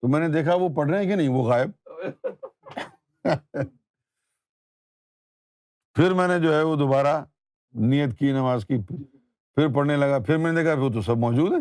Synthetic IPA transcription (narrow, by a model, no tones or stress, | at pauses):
t̪omɛ̃ːned̪eːkʰaʋop̬ɐɽɾeɦɛ̃k̬enɐɦĩʋoɣaːɪb̚ | pʰɪɾmɛ̃ːned͡ʒoːɦɛʋod̪obaːɾa | nijət̪kinɐʋaːzki | pʰɪɾp̬ɐɽnelɐɡapʰɪɾmɛ̃ːned̪eːkʰaɪt̪̬osɐb̚mɔːd͡ʒuːd̪ɦɛː